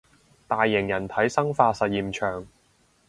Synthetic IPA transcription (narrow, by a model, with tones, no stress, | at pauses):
t̪aː˨jːɪ˨˩ŋjɐ˨˩nt̪ʰɐ˨˥jsɐ˥ŋfaː˧sɐ˨t̚jiː˨mt͡ʃʰœː˨˩ŋ